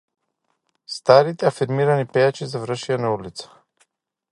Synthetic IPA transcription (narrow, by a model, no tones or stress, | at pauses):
st̪aɾit̪ɛafiɾmiɾanipɛjat͡ʃizavɾəʃianaulit̪sḁ